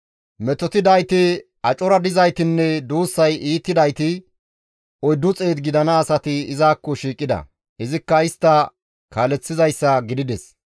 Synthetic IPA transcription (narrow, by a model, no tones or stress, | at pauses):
mɛt̪ɔt̪ɪd̪ɐjt̪ɪ | ɐt͡ʃʼɔɾɐd̪ɪzɐjt̪ɪnːɛd̪uːsːɐjiːt̪ːɪd̪ɐjt̪ɪ | ɔjd̪ːʊt͡sʼe̞ːd̪ɡɪd̪ɐnɐːsɐt̪ɪɪzaːkːɔʃiːkʼːɪd̪ɐ̰ | ɪzɪkːɐɪst̪ːɐ | kaːlɛt͡sːɪzɐjsːɐɡɪd̪ɪd̪ɛs